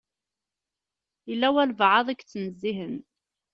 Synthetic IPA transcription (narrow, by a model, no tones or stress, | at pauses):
ilːæwælvʕɑðˤækt͡sːnəzːiɦən